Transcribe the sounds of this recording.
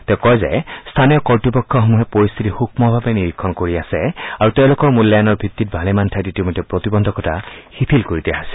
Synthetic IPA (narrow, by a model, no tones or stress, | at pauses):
tɛʊkɔjzɛ̰stʰanijɔkɔɹtɔpɔkʰːɔxɔmuɦɛpoɹist̪ʰitixuk̚mɔbʱabɛniɹikʰːɔnkoɹiasɛaɹutɛʊ̃lʊkɔɹmuljajanɔɹbʱitːit̚bʱalɛmantʰajtetimɔtɛpɹotibɔndʱɔkɔtʰahipʰilkoɹitɛɦasɛ̥